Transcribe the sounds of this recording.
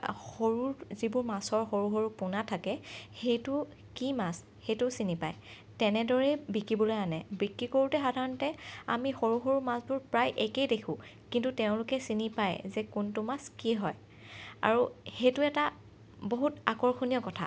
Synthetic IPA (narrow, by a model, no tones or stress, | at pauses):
xoɹuɹzibʊɹmasɔɹxoɹuxoɹupʊnatʰakɛxejtʊ | kimas | xejtʊsinipaj | tɛnɛdɔɹɛbikɹibɔlojanɛbikɹikoɹutɛxadʱaɹɔntɛa̰mixoɹuxoɹumasbʊɹpɹajʔekejdekʰũ | kintuteʊ̃lʊkɛsinipajzɛkuntʊmaskiɦɔj | a̰ɹuxejtʊɛta | boɦutakɔɹxunijɔkɔtʰa̰